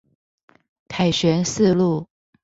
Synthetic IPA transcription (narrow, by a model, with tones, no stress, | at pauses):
k̪ʰa˨˩ɪɕɥɛ˧˥nsɹ̩˥˧lu˥˩